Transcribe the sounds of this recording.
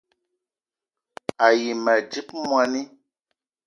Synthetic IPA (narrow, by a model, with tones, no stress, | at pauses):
a˨ji˨mə˨d͡ʒi˦p̚mwa˨ni˦